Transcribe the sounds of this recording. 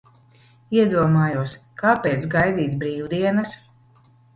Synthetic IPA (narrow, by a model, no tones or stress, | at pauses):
iɛd̪uɔmaːjuɔskaːpʲeːt̪sɡajd̪iːt̪bɾiːwd̪iɛnɐs